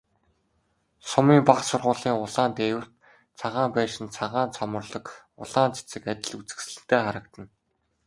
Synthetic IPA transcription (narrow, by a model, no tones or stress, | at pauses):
sʊmiːmpaqsʊrʁʊːɮiːŋʊɮaːnt̪eːwɘ̆rt̪ | t͡sʰaʁaːmpæːʃɪ̆nt͡sʰaʁaːnt͡sʰɔmɞ̆rɮɞ̆k | ʊ̰ɮaːnt͡sɪ̥t͡sɘ̆kat̪ʲɪ̆ɮut͡sɘ̆ksɮɘ̆ɘ̆xt̪eːχaɾə̆k̚t̪ə̆n